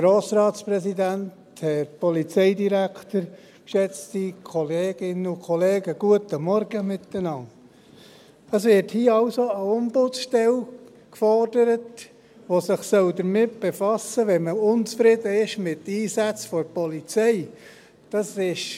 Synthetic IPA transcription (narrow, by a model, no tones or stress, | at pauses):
ɡ̥ɾoːsɾɑːtsprɛsidænt | hɛɾpɔlit͡sɛɪdiɾæktəɾ | kʃɛt͡stikʰɔleːɡ̥ɪnəʊkʰɔleːɡəɡ̥uətəmɔɾɡ̥əmɪt̪ːənɑŋ | əsʋɪɾthiːɑʊsoəʊmbʊt͡sʃtɛl | kfɔrd̥əɾət | ʋosɪχsœld̪əɾmɪt̚b̥efɑsəʋɛnməʊnt͡sfɾɪdəɪʃmɪtiːsæt͡sfɔɾpɔlit͡sɛɪ | d̥ɑsɪʃ